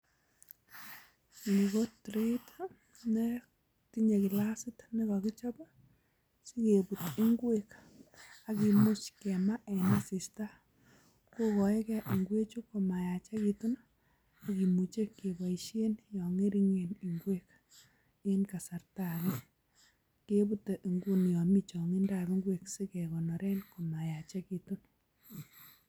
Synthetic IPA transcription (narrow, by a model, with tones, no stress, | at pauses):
li˨ɣo˦tɾe˦t | nɛ˦ | ti˦ɲe˨ki˨la˦sɪ˦tni˦ka˨ki˦t͡ʃɔ˦ba˦ | si˦ke˨bu˨ti˦ŋɡwek | a˦ki˨mu˦t͡ʃkɛ˨ma˦ʔɛ˨na˦si˨sta˦ | ko˦kɔ˨ɛ˦kɛ˦ʔi˨ŋɡwe˦t͡ʃu˦ko˨ma˨ja˨t͡ʃɛ˦ki˧tu˦n | a˨ki˨mu˨t͡ʃe˦ke˨ba˨i˨ʃe˦njɔ˨ŋe˦ɾi˦ŋe˨ni˨ŋɡwe˦k | ɪ˦nka˨sa˨ɾta˦˨ɣɛ˦ | ke˦bu˦te˨ʔi˨ŋɡu˦njɔ˨mi˦t͡ʃɔ˨ŋi˦nda˦˨βi˦ŋɡwe˨ksɪ˦kɛ˨ɣɔ˨nɔ˨ɾɛ˦nko˨ma˨ja˨t͡ʃɛ˦ki˨tu˦n